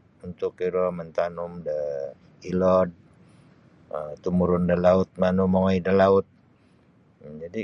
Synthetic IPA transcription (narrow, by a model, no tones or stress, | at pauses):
unt̪ʊkiɾɔmənt̪anumdə | ilɔd̚ | ət̪umuɾʊndəlaʊt̪̚manumaŋɔidəlaʊt̪̚ | d͡ʒadi